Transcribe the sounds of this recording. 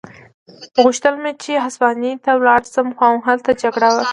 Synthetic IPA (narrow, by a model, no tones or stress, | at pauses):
ɣuʃt̪əlmet͡ʃeɦaspɑnit̪awlɑɽsəmxwɑwɦalt̪ad͡ʒaɡɽawa